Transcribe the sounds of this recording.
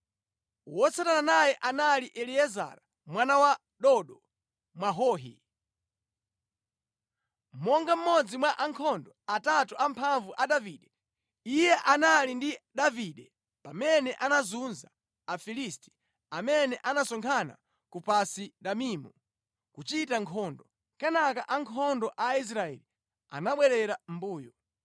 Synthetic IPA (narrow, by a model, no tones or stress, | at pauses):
wɔt͡satananajɛʔanaliʔɛliɛza̰ɾa | mwanawa | ɗɔɗɔ | mwaɦɔːɦḭ | mɔŋɡam̩mɔd͡zimwaʔaŋkʰɔndɔatatuʔampʰaɱvuʔaɗaviːɗɛ | ijɛʔanalindiɗaviɗɛ | pamɛnɛʔanazunzaː | filisti̥ | amɛnɛʔanasɔŋkʰana̰ | kupasiɗamiːmu | kut͡ʃitaŋkʰɔːndɔ | kɛnakaʔaŋkʰɔndɔʔais̬ɾaɛli | a̰naɓwɛɾɛɾam̩buːjɔ